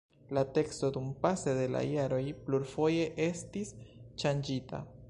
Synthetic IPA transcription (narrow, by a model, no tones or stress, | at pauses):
late̞ksto̞dumpase̞de̞la̰jaɾo̞jpluɾfo̞je̞ʔe̞stisʃand͡ʒita̰